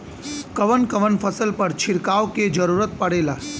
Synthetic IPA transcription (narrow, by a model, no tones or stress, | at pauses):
kəʋənkəʋənfʰəsəlpəɾt͡ʃʰɪɾkaːʋoked͡ʒəɾuːɾət̪̚pɐɽeːla̰ː